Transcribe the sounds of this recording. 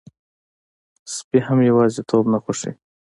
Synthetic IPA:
spiɦamjawɑzet̪ʰobnaxoʂḛ

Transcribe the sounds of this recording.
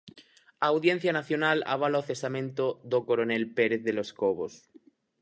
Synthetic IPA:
aːwðje̞n̟θjanaθjo̞nala̰β̞alaoθe̞samẽnt̪oðokoɾone̞lpe̞ɾeθðe̞lo̞skoβos

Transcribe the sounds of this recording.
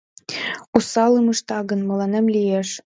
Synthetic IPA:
usɑlɯmɤʃt̪ɑɣə̆nmɤ̆lɑnemlijeʃ

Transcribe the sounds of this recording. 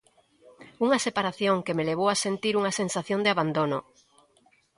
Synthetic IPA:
uŋɐsepaɾaθjoŋkemeleβowasent̪iɾuŋɐsensaθjond̪eaβand̪onʊ

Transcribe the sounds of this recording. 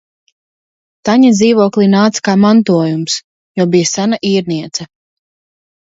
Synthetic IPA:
t̪aɲad̪ziːvuɔklˠinaːt̪skaːmant̪uɔjums | jɔbijasanaʔiːɾniɛt̪sa

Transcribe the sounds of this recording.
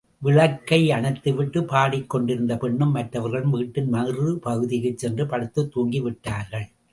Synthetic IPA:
ʋɪɭɐkːɐɪɐɳɐt̪ːɯʋɪʈːɯpaːɽɪkːɔɳɖɪɾɯnd̪ɐpɛɳːɯmːɐʈrɐʋɐɾɣɐɭɯmʋiːʈːɯnmɐrɯpɐɣɯðɪɣɐt͡ʃːɛndrɯpɐɽɯt̪ːɯt̪ːuːŋɡiʋɪʈːaːɾɣɐɭ

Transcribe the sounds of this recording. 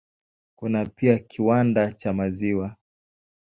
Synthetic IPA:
kunapiakʰiwandat͡ʃamaziwa

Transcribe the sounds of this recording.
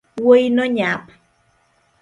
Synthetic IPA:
wojnoɲap

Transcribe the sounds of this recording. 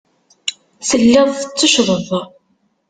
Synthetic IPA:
səlːæðˤθət͡sːəʃðˤəðˤ

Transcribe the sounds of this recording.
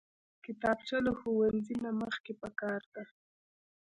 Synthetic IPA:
kɪt̪ɑb̚t͡ʃalaxowalzinaməxkepəkɑɾd̪a

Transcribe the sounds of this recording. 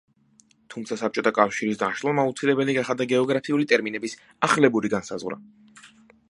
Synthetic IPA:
t̪ʰumt̪sʰasap̚t͡ʃʼɔt̪ʰakʼafʃiɾisd̪anʃlˠɔmaut̪sʰilɛbɛliɡaχad̪aɡɛɔɡɾapʰiulit̪ʼɛɾminɛbis | aχlɛbuɾiɡansa̰zʁwɾa̰

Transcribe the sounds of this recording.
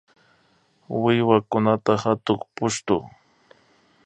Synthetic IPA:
wɪjwakʊnat̪ahat̪ʊχpʊʃt̪ʊ̰

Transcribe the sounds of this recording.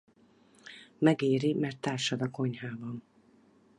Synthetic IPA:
mɛɡeːɾimɛrt̪ːaːrʃɒd̪ɒko̞ɲhaːbɒn

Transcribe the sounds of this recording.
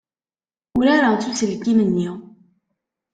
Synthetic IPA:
ʊɾaɾat͡sːusəlkimənːi

